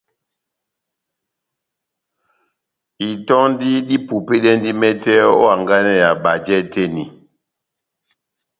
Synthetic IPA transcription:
i˨tɔ˦ŋn˦di˦ɗi˦pu˨pe˦ɗɛ˦n˦di˦mɛ˦tɛ˦ɔ̰˦a˨ŋɡa˦nɛ˦ja˨ɓa˨d͡ʒɛ˦te˦˨ni˨

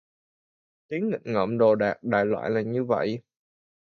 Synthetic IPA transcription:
t̪i˨˦əŋŋï˨˩k̚ŋə̰ː˧˩mɗo˨˩ɗaː˨˩k̚ɗa̰ː˧˨jlwa̰ː˧˨jlaː˨˩ɲɨ˧və̰˧˨j

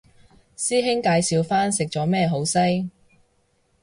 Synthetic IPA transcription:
siː˥ɦɪ˥ŋkaː˨˧jsiː˨˧wfaː˥nsɪ˨k̚t͡sɔː˨˥mɛː˥ɦo˨˥wsɐ˥j

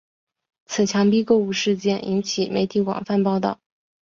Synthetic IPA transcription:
t͡s̩ʰ˨˩t͡ɕʰjɑ˧˥ŋpi˥ko˥˧ʊu˥˧ʂɻ̩˥˧t͡ɕjɛ˥˩nʔḭ˧˥nt͡ɕʰi˨˩me˧˥ɪt̪ʰi˧˥kwɑ̰˨˩ŋfa˥˧npɑ˥˧ʊt̪ɑ̰˥˩ʊ

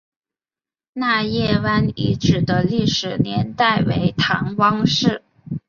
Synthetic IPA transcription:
na˥˧jɛ˥˩wa˥nḭ˧˥ʈ͡ʂɻ̩˨˩d̪ə˦li˥˩ʂɻ̩˨˩njɛ˧˥nt̪a˥˩ɪwḛ˧˥ɪt̪ʰɑ̰˧˥ŋwɑ˥ŋʂɻ̩˥˩

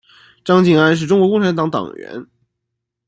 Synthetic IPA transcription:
ʈ͡ʂɑ˥ŋt͡ɕi˥˩ŋa˥nʂ̬̩˥˩ʈ͡ʂʊ˥ŋkwɔ˧˥kʊ˥˧ʈ͡ʂʰa˥nt̪ɑ˧˥ŋt̪ɑ̰˨˩ŋɥɛ̰˧˥n

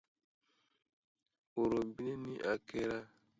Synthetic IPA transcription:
o˨ɾo˨bi˦ne˦nĩ˦ʔa˨ke˦ɾa˦

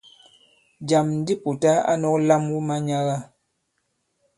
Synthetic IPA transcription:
d͡ʒa˨mn̩˦di˦pu˨ta˦a̰˦nɔ˦kla˦mwu˦ma˦ɲa˦ɣa˦˨

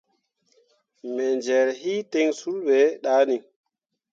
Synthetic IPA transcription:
mɛ˨nd͡ʒɛ˨ɾhi˦tɛ˦ŋsu˦lɓɛ˨ɗa˦ni˨

